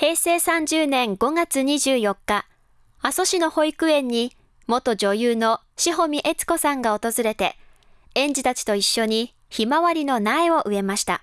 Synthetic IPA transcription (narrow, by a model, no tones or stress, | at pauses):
he̞ːse̞ːsãɲ̟d͡ʑɨːnẽ̞ŋɡo̞ŋat͡sɨɲ̟iʑɨːjo̞kːa | aso̞ɕino̞ho̞ikɯ̟ẽ̞ɲ̟ːi | mo̞t̪o̞ʑo̞jɯːno̞ | ɕiɦo̞mʲiʔe̞t͡sɨ̥ko̞sãŋɡao̞t̪o̞zɨɾe̞t̪e̞̰ | ẽ̞ɲ̟d͡ʑit̪at͡ɕi̥t̪o̞iɕːo̞ɲ̟i | çimaβaɾʲino̞naeo̞ʔɯ̟e̞maɕi̥t̪a̰